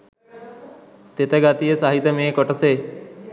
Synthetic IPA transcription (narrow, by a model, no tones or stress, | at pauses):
t̪eːt̪eɡaːt̪ijesaːɦɪt̪ːəmẽːkɔʈəseː